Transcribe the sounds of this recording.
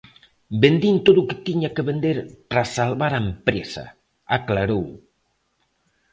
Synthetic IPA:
bend̪int̪oðuket̪iɲakeβend̪eɾpɾasalβaɾampɾesa̰ | aklaɾow

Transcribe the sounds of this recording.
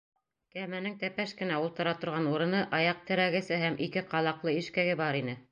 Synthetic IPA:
kæmænɘŋt̪æpæʃkɘ̆næulˠt̪ɤ̆ɾɑt̪ŏɾʁɑnuɾɤ̆nɤʔɑjɑq̚t̪ɘ̆ɾæɡɘ̆sɘɦæmʔikɘqɑlˠɑqlˠɤiʃkæɡɘbɑɾinɘ

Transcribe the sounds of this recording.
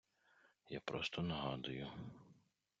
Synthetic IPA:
ja̰pɾɔst̪ʰɔnɐɦɑd̪ʊjʊ

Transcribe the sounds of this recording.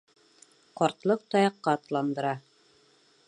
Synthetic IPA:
qɒɾt̪lˠɤq̚t̪ɒjɑqːɑt̪lˠɑnd̪ɤ̆ɾɑ

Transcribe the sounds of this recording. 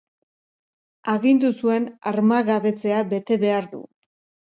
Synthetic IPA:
aɣind̪usue̞naɾmaɣaβe̞t͡se̞aβe̞t̪e̞βe̞aɾðṵ

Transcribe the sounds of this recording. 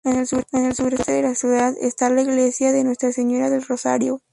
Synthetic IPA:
enene̞lsuɾe̞st̪eðelasjuðaðḛst̪alaiɣle̞sjaðe̞nwe̞st̪ɾase̞ɲo̞ɾaðe̞lro̞sa̰ɾjo

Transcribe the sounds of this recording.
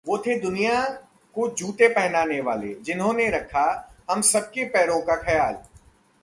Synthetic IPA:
ʋoːt̪ʰed̪ʊnija | kod͡ʒuːʈ̪epɛɦnaːneʋaːlḛd͡ʒɪnɦõneɾɐkʰːaɦɐmsɐb̚kepɛːɾõkaxɐjaːl

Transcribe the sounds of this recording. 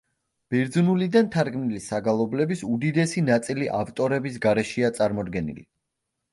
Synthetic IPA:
b̥iɾd̪zunulid̪ant̪ʰaɾɡmnilisaɡalˠɔblɛbisud̪id̪ɛsinat̪sʼiliʔavt̪ʼɔɾɛbis̬ɡaɾɛʃiat̪sʼaɾmɔd̪ɡɛnḭlḭ

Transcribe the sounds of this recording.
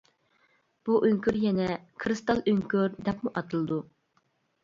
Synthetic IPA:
b̥uʔøŋkʲyɾjɛnɛkʰɾɨst̪ɑlˠøŋkʲyɾd̪ɛpmuʔɑt̪ʰɨlˠɨd̪u

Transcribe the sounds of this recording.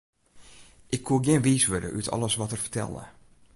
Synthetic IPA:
ʔɪkʰːuəɡɪənʋiːsʋødə̰ʔytʰɔ̰lˠəsʋɔtərfə̥tʰɛ̰lˠə̰

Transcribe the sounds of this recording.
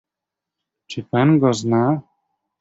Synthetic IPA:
t͡ʃipanɡɔzna

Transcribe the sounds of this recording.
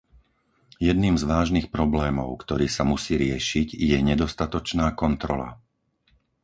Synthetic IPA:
jɛd̪niːmzʋaːʒnixpɾɔblɛːmɔʊkt̪ɔɾiːsamusiːɾɪɛʃiɟjɛɲɛd̪ɔst̪at̪ɔt͡ʃnaːkɔnt̪ɾɔ̰la̰

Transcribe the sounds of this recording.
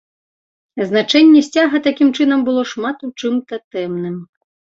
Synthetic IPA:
znat͡ʂɛnʲːɛsʲt͡sʲaɣɐt̪akʲimt͡ʂɨnɐmbɨlˠɔʂmat̪ut͡ʂɨmt̪ɐt̪ɛmnɨm

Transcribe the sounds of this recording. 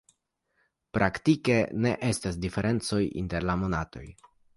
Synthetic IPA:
pɾʔaktike̞ne̞ʔe̞stasdife̞ɾʔe̞nt͡so̞jḭnte̞ɾlamo̞nato̞̰j

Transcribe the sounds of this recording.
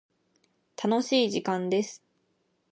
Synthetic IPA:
t̪ʰano̞ɕiːʑikãnd̪e̞sɨ̥

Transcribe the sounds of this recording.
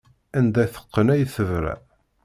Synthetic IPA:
ænd̪æθə̥qːənæjθəvɾæ̰

